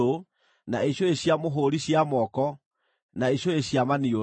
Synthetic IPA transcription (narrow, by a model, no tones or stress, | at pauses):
o | naeɕoeɕjamoɦoɾiɕjamɔkɔ | naeɕoeɕjamanio